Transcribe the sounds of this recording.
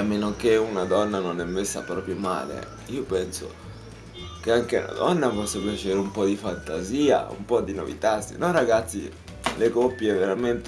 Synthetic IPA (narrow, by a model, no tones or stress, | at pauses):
amːenokeunad̪ɔnːanonɛmːesːa̰pɾɔːpɾjoma̰ːlḛ | iopɛnso̰ | keaŋk̟eṵna̰d̪ɔnːafɔsːepjat͡ʃeːɾeumpɔd̪ifant̪aziːa̰ṵmpɔd̪ːino̰vḭt̪asːḭnɔraɡat̪sːḭ | lekopːjeveɾament̪